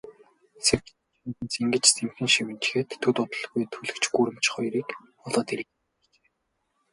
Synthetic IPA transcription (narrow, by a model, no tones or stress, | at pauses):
serk̪ | n̆nt͡siŋɡɘ̆t͡ɕt͡sʰemxɘ̆nʃiwɘ̆nt͡ɕ̆xeːt̪ʰːɵt̪ʊt̪ə̆ɮɣujt̪ʰuɮɘ̆kt͡ɕɡuːɾɘ̆m̥t͡ɕχɔjɾiːk | ɔɮɔːt̪iɾɘ̆k | t͡ɕe̥ː